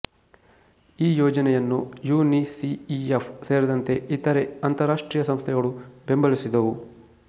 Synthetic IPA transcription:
iːjɔːd͡ʒɐnɛjɐnːujuːnisiiepse̞ːɾid̪ɐnt̪e̞ʔit̪ɐɾeɐnt̪ɐɾaːʂʈɾiːjɐsɐmst̪ʰɛɡɐɭube̞mbɐɭisid̪ɐʋu

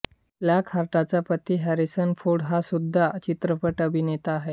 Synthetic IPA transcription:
lakʰhaɾʈ̪at͡sapət̪iːɦæɾisənfoɽɦasud̪ʱːat͡ɕit̪ɾəpəʈəbʱinet̪aːɦe

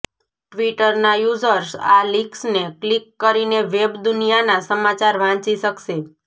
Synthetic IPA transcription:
ʈʋiʈəɾnajuzəɾsa̰liksneklikːəɾineʋebd̪unijanasəmat͡ʃaɾʋãt͡ʃiʃəkʃe

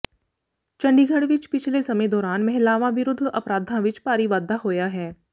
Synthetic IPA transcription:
t͡ʃɐ̃ɳɖiːɡʱəɽʋɪt͡ʃpɪt͡ʃʰlesɐmẽd̪ɔːɾaːnmɛɦɪlaːʋãʋɪɾʊd̪ʱːɐpɾaːd̪ʱãʋɪt͡ʃpaːɾiʋaːd̪ʱaɦoːjaɦɛː

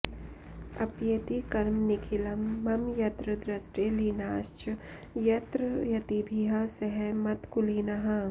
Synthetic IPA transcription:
ɐpjɐt̪ikɐɾmnɪkʰilɐmːɐmjɐt̪ɾəd̪ɾɐsʈeliːnaːʃt͡ʃ | jɐt̪ɾəjɐt̪ibʱiɦasɐɦɛmɐt̪kʊliːnɐɦɐ̃

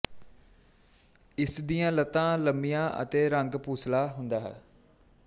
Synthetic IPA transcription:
ɪsd̪ijãːlət̪ãːləmijãːʔə̰t̪eːɾə̃ŋɡpuːslaːɦʊ̃nd̪aːɦɛ̰

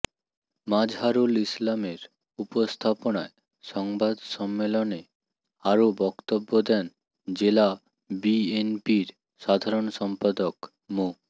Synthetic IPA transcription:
mad͡ʑɦaɾulislameɾ | upost̪ʰaponae | ʃɔŋbad̪ʃɔmːelone | aɾobɔkt̪obːod̪ɛn | d͡ʑela | bienpiɾ | ʃad̪ʱaɾonʃɔmpad̪ok | mo

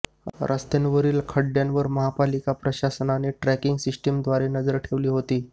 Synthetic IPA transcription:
ɾʔəst̪enʋəɾiːlkʰəɽjanʋəɾməɦapalikapɾəɕasənaneʈɾɛkiŋɡsisʈəmd̪ʋaɾenəd͡zəɾʈʰeʋliːɦot̪iː

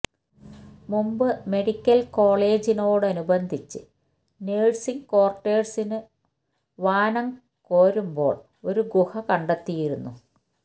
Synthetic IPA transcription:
mumbɨme̞ɽikʲːɐlko̞ːɭe̞ːd͡ʑino̞ːɽɨɐnubɐnd̪ʱit͡ɕːɨ | neːɻsiŋko̞ːrʈːeːɖsinɨ | ʋaːnɐŋ | ko̞ːɾumbo̞ːɭ | o̞ɾuɡuhɐkɐɳɖɐt̪ːijiɾunːu

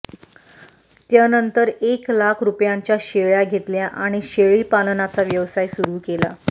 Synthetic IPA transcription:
t̪janənt̪əɾeklakʰɾupjaɲt͡ɕjaɕeɭjaɡʱet̪ljaʔaɽ̃iɕeɭiːpalnat͡saʋjəʋsajsuɾuːkela̰

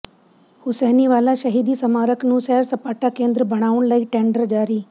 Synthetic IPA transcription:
hʊsɛːniʋaːlaʃɐɦiːd̪isɐmaːɾəknũːsɛːɾsɐpaːʈakẽːnd̪ɾəbʱɐɽ̃aːʊɽ̃ləiʈẽːɳɖəɾd͡ʒaːɾiː

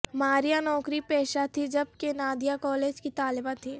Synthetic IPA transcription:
maːɾijanɔːkɾipɛːʃat̪ʰid͡ʒɐb̚kenaːd̪ijakɔːleːd͡ʒkit̪aːlɪbat̪ʰiː

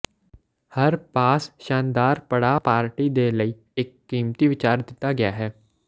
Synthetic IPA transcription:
hɐɾpaːsʃãːnd̪aːɾpɐɽapaːɾʈid̪eləi | ekːiːmt̪iʋɪt͡ʃaːɾd̪ɪt̪aɡɪjaɦɛː

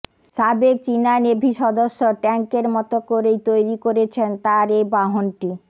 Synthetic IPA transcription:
ʃabek̚t͡ɕinanebʱiʃɔd̪oʃːoʈɛŋkeɾmɔt̪okoɾejt̪ojɾikoɾet͡ɕʰent̪aɾejbaɦonʈi

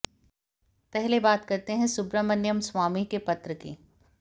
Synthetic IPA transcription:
pɛɦlebaːt̪kɐɾt̪eɦɛ̃sʊbɾəmɐnjəmswaːmikepɐt̪ɾəkḭː

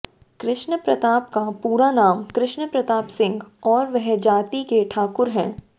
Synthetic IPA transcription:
kɾɪʃnəpɾɐt̪aːpkapuːɾanaːmkɾɪʃnəpɾɐt̪aːpsɪ̃ŋɡɔːɾʋɛɦd͡ʒaːt̪ikeʈʰaːkʊɾɦɛ̃ː

